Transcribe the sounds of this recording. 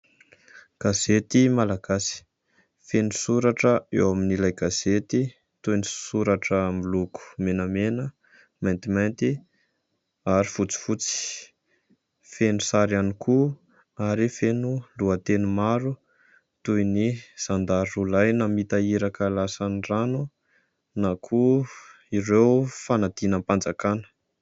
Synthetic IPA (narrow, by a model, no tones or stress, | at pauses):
ɡ̥azet̪imalaɡ̥asi̥ | fenusuɾaʈ͡ʂəḛwaminilajɡaz̥et̪i | t̪ujnisuɾaʈ͡ʂəmiluku̥menəmenə | majnt̪imajnt̪i | aɾifut͡si̥fut͡si̥ | fenusaɾaniku | aɾifenuluət̪enumaɾu | t̪ujniz̥and̪aɾulajnamit̪aiɾakəlasaniranu | nakʰu | iɾewfanad̪̥inəmpand͡zakanə̥